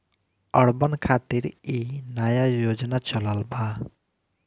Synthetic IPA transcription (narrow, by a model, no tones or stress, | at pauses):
ɔɽbɔnkʰat̪iɾinajajod͡ʒɔnat͡ʃɔlalba